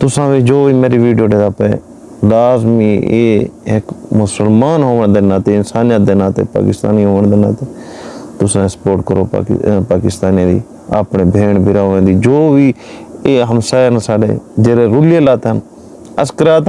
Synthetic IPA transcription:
t̪ʊsãːʋiːd͡ʒoːʋiːmeːɾiːʋiːɖijoːɖeːd̪aːpeː | laːzmiːḛːɪkmʊsəlmaːnɦoːʋəɳd̪eːnãːt̪eːɪnsaːnijat̪̚d̪eːnãːt̪ḛːpa̰ːkɪst̪a̰ːniːɦoːʋəɳd̪eːnã̰ːt̪eːt̪ʊsãːsə̥poːɾʈkəɾoːpa̰paːkɪst̪aːniãːd̪ḭː | a̰ːpɳeːbʱeːɳbʱɪɾaːʋẽːd̪iːd͡ʒoːʋiːeːɦəmsaːnːsaːɖḛːd͡ʒeːɾeːɾʊlɪjeːlaːt̪ːən | əskəɾaːt̪

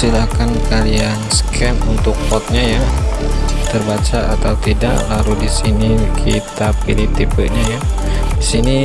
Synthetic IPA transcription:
ilakankaliansə̥kʰɛmunt̪ʊkːɔt̪̚ɲaja | t̪ərbat͡ʃaat̪awut̪ida̰ʔlaludisinikʰit̪apilit̪ipəʔɲajaisini

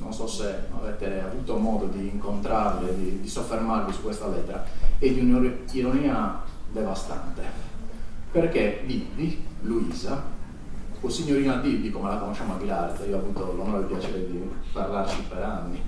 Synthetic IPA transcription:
nonsɔsea̰vɛt̪ːeavut̪omɔːd̪od̪iːŋkont̪ɾarled̪id̪isofːermarvisu̥kːwest̪alɛt̪ːɛɾaɛd̪iunoɾiɾoniːad̪ɛvast̪ant̪e | perkebibːiluiːza | usiɲːoɾiːnad̪ibikɔmelakonoʃːamoaɡilaɾt̪siaiːoapːunt̪olɔnɔɾɛpjat͡ʃɛɾɛbːiparlart͡ʃipɛɾanːi

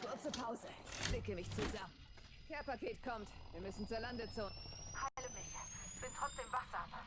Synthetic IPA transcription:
kʰʊɐt͡səpʰaʊzəb̥lɪkəmɪçt͡suzamən | kʰɛːɐpakʰeːtkʰɔmt | viːɐmʏsn̩t͡suːɐlandət͡soːnhalomɪçɪçb̥ɪntʁ̥ɔt͡sd̥eːmvaχz̥aːbɐ

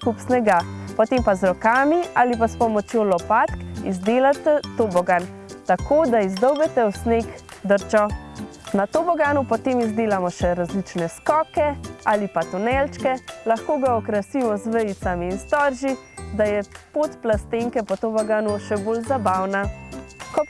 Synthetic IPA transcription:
kupsnɛɡapɔt̪empazɾɔkaːmialipaspɔmɔt͡ʃjolɔpat̪kizd̪eːlat̪ɛt̪ːoːbɔɡan | t̪akoːd̪aizd̪ɔwbɛt̪ɛwsnekd̪əɾt͡ʃɔnat̪obɔɡanupɔt̪emizd̪eːlamɔʃɛɾazlit͡ʃnɛskɔːkɛaːlipat̪unɛlt͡ʃkɛlaxkoːɡaɔkɾasiːmɔzʋəjit̪samiːnst̪ɔɾʒi | d̪ajɛpot̪plast̪eŋkɛpɔt̪obɔɡanuʃɛboːlzabawnakɔ

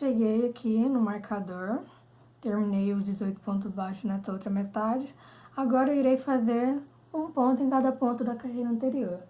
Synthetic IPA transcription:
ʃeɡejakʰinʊmaɾkʰad̪oɾ | t̪eɾminejʊzd͡ʒɪzojt̪ʊ̥põnt̪̬ʊzbaʃʊnɛsɐowt̪ɾɐmet̪ad͡ʒɪ | aɡɔɾɐiɾejfazeɾ | ũpõnt̪ʊẽkad̪ɐpõnt̪ʊd̪ɐkaɦejɾɐɐ̃nt̪eɾioɾ

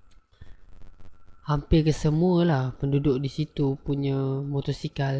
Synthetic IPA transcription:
hampɪrkəsəmuəlahpəndudʊk̚disit̪upuɲãmot̪ɔsikal

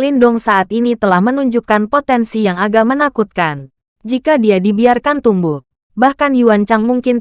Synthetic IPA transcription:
lindʊŋsaʔat̪init̪əlahmənuɲd͡ʒukanpot̪ɛnsijaŋaɡamənakut̪̚kan | d͡ʒikadiadibiarkant̪umbʊh | bahkanjuwant͡ʃaŋmuŋkɪn

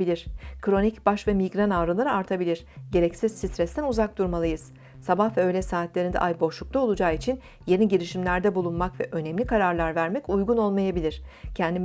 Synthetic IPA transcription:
ilʲiɾ̥kʰɾo̞nicbaʃvɛmiɡɾanaːɾɯnˠaɾɯaɾt̪ʰabilʲiɾ̥ɟe̞ɾɛcsizsist̪ɾɛst̪ʰænuzak̚d̪uɾmalˠɯjɯz̥ | sabahvɛøjlʲɛsaːt̪lʲe̞ɾind̪ɛ̰ʔajbo̞ʃlˠuklt̪ˠao̞lˠud͡ʒaːit͡ʃʰin | je̞niɟiɾiʃimlʲæɾd̪ɛbulˠunmakvɛʔø̞nɛmlʲikʰaɾaɾlˠaɾvæɾmɛcujɡuno̞lˠmajabilʲiɾ̥cʰɛnd̪im

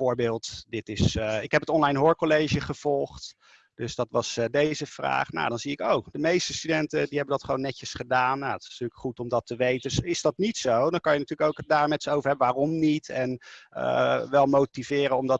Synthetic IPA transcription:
vʊːɹbɪːlˠtdɪtɪsɪkɦɛpətɔnlɑjnɦoːɹkolejʒəχəv̥ɔlˠχt | d̥ɵsdɑtʋɑsdejzəv̥ra̰ːχna̰wdɑnziɪkowd̥əmejstəstydɛntədiɦɛbəndɑtχəʋownːɛcəsχədaːnjaətɪsntyːləkχutɔmdɑtəʋejtəsɪzdɑtnitsowdɑkɑnjənatyːləkowlkədaːɹmɛtsəowvəɹɦɛbəʋaːrɔmnitɛnə̰ʋɛlˠmowtivɪːɾənɔmdɑt

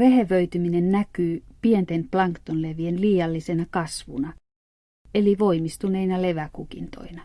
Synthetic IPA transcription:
ʋeɦeʋøyt̪yminennækyːpient̪enplɑŋkt̪onleʋienliːjɑlːisenɑkɑsʋṵnɑ | eliʋoimist̪uneinɑleʋækukḭnt̪o̰inɑ

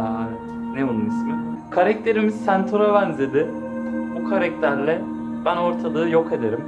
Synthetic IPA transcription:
aevɛt̪ | neonunismɪ | kʰaɾɛk̚t̪ʰe̞ɾimizsænt̪ʰoɾabænze̞d̪ɪ | bukʰaɾɛct̪ʰæɾlʲɛ | bæno̞ɾt̪ʰad̪ˠɯːjo̞ke̞d̪e̞ɾim

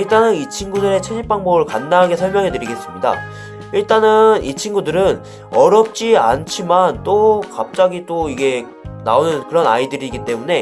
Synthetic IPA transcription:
iɭt͈anɯnit͡ɕʰinɡudɯɾe̞t͡ɕʰed͡ʑip͈aŋboɡɯɭkanːaɦaɡe̞sʰʌɭmjʌŋɦe̞tɯɾiɡe̞s͈ɯmɲida̰ | iɭt͈anɯnit͡ɕʰinɡudɯɾɯn | ʌɾjʌp̚t͡ɕ͈ia̰nt͡ɕʰimant͈okap̚t͡ɕ͈aɡit͈oiɡe̞ | na̰onɯnkɯɾʌna̰idɯɾiɡit͈e̞mune̞

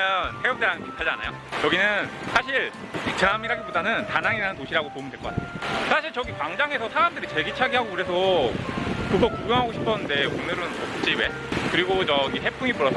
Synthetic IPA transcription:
jʌntʰeʌteanepʰi̥tʰad͡ʑia̰na̰jo̰ | t͡ɕʌɡinɯnsʰaɕʰiɭʰ | t͡ɕɯɾamiɾaɡipodanɯntanaŋiɾanɯnt̬oɕʰiɾaɡopomindweɭk͈ʌkatʰnosʰaɕʰiɭt͡ɕʌɡikwaŋd͡ʑaŋe̞sʰʌsʰaɾamdɯɾit͡ɕe̞ɡit͡ɕʰaɡiɦaɡokɯɾesʰʌ | kɯɡʌkuɡjʌŋɦaɡoɕʰi̥pʰʌnɯnde̞onɯɾɯnokʰɯt͡ɕ͈iwe̞ | kɯɾiɡot͡ɕʌɡiɦe̞pʰuŋipuɾʌs͈ʰʌ

